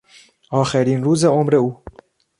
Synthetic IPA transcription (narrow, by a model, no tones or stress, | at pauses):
ɑːxɛɾiːnɾuːzeomɾeuː